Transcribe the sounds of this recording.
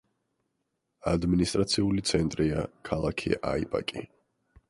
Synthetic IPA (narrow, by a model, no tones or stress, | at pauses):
ad̪minist̪ʼɾat̪sʰiulit̪sʰɛnt̪ʼɾiakʰalˠakʰḭʔa̰ḭbʼa̰kʼi